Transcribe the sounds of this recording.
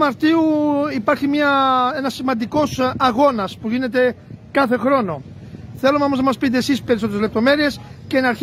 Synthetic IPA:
mɐɾt̪iuipaɾçimiɐenɐsːimɐnd̪iko̞sɐɣo̞nɐspuɣinet̪e̞kaθe̞xɾo̞no̞ | θelomeomoznɐmɐspit̪̬eːsispe̞ɾiso̞t̪eɾezlep̚t̪ome̞ɾie̞sceːnɐɾç

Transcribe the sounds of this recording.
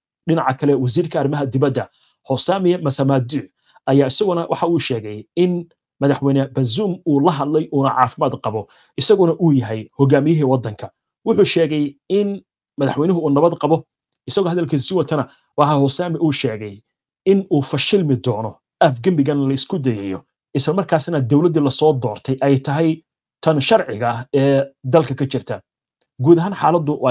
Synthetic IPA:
ɖɪnɑʕɑkʰɐlɛwɐs̬iːrkʰɐːrɪmɐɦɐd̪ɪβɐd̪ːɐ | hɔsaːmɪɛmɐsɐmad̪uː | ɐjaːɪsɐɣʊnɐwʔɑ̰ħɑuːʃɛːɣɛjɪn | mɐðɐħwɛnɐbɐzuːmuːlɐɦɐd̪lɛjʔuːnɐʕɑ̰ːfɪmaːd̪qɑβɔ | ɪsɐɣʊnɐʔuːjɐɦɛjhɔɣaːmɪjɪɦiːwɑd̪ɐŋkʰɐ | wʊħuːʃɛːɣɛjɪn | mɐðɐħwɛjnɪɦʊuːnɐβɐd̪qɑβɔ | ɪsɐɣɔɦɐðɐlkʰiːs̬sɪwɐt̪ʰɐnɐ | wɑːħɑhʊsaːmɪʔuːʃɛːɣɛj | ɪnuːfɐʃɪlmɪd̪ɔːnɔ | ɐfɡɐmbɪɣɐnlɐɪskʰʊd̪ɛjɛjɔ̰ | ʔɪslɐmɐrkʰaːsnɐd̪ɔwlɐd̪ilɐsɔːd̪ɔːrt̪ʰɛjʔɛjt̪ʰɐɦɛj | t̪ʰɐnʃɐrʕɪɣɐɛːd̪ɐlkʰɐkʰɐt͡ʃɪrt̪ʰɐ | ɡuːd̪ɐɦaːnħaːlɐd̪ʊw

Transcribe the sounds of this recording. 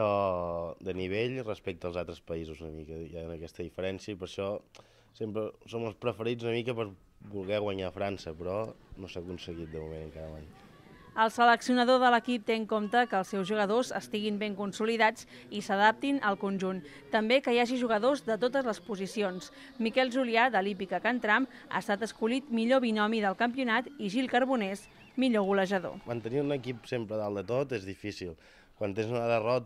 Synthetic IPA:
ɔd̪əniβeʎrəspɛk̚t̪əlˠzalˠt̪ɾəspəizuzunəmikəjaənəkɛst̪əðifəɾɛnsiəipəɾʃɔ | sempɾəsoməlˠspɾəfəɾid͡zunəmikəpəɾ | bulˠɣɛɣwəɲaəfɾansəpɾɔnosaəkunsəɣit̪̚d̪əmumenəŋkaɾəmaj | əlˠsələksiunəðoðələkip̚t̪eŋkomt̪əkəːlˠsːɛwzʒuɣ̞əðozəst̪iɣimbeŋkunsuliðad͡zisəðap̚t̪inəlˠkunʲʒun | t̪əmbekəjaʒiʒuɣ̞əðozðət̪ot̪əzləspuzisions | mikɛlˠʒuliad̪əlipikəkənt̪ɾam | a̰əst̪at̪əskulit̪miʎoβinɔmiðəlˠkəmpiunat̪iʒilˠkəɾβunɛs | miʎoɣuləʒəðo̰mənt̪əniunəkipsempɾəðalˠd̪ət̪ot̪ezðifisḭlˠ | kwant̪enzunəðərɔt̪

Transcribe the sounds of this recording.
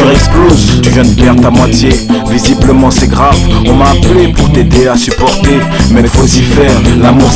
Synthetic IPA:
ʁɛksklozt̪yʒə̃npɛʁt̪amwat̪jevizibləmɑ̃sɛɡʁavɔ̃maːplepuʁt̪ed̪easypɔʁt̪e | mɛtozifɛːʁlamuʁ

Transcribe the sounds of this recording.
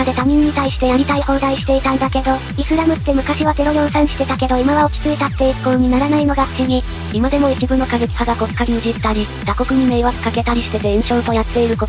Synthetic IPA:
ad̪e̞t̪amʲĩɲ̟ːit̪aiɕi̥t̪e̞jaɾʲit̪aihõ̞nd̪aiɕi̥t̪e̞it̪ãnd̪ake̞d̪o̞ | isɨɾamɯ̟t̪ːe̞mɯ̟kaɕiβat̪e̞ɾo̞jõ̞ɰ̃sãɰ̃ɕi̥t̪e̞t̪ake̞d̪o̞imaβaokʲi̥t͡sɨit̪at̪ːe̞iɾɯ̟kooɲ̟inaɾanaino̞ɡaɸɯ̥t͡ɕiɲ̟i | imad̪e̞mo̞it͡ɕibɯ̟nːokazekʲi̥haɡako̞kkːaɡʲiɯ̟ʑit̪ːaɾʲi | d̪̥ako̞kɯ̟ɲ̟ime̞ːβat͡sɨ̥kake̞t̪aɾʲisi̥t̪e̞t̪e̞ẽɰ̃ɕo̞ːt̪o̞jat̪ːe̞iɾɯ̟ko

